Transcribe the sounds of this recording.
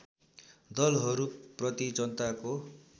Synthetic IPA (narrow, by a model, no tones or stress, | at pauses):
d̪ʌlɦʌɾuprʌt̪id͡zʌnt̪ako